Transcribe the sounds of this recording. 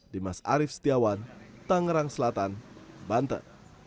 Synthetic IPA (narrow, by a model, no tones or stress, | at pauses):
dimasa̰ɾifst̪iawant̪aŋəɾaŋsəlat̪anbant̪ə̰